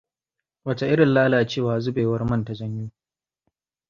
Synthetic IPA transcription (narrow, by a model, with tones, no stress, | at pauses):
wɐ˨ta˨ʔɪ˦ɽɪ˨nlaː˦laː˨t͡ʃeː˦˨waː˨zʊ˦beː˨wɐ˦rmɐ˦nta˨zɐ˦ɲjuː˦